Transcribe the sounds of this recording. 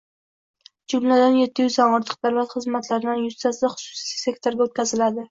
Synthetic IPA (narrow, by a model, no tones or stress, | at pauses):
d͡ʒʊmlad̪anje̞t̪ʰːɪjʊzɒŋɒɾt̪ʰɨ̥q̚d̪awlat̪χɨzmat̪ʰlaɾɪd̪anjʊst̪asd̪aχʊ̥sʊ̥si̥sise̞kt̪ʰoɾɡʲaot̪̚kʲʰazɪlad̪ɪ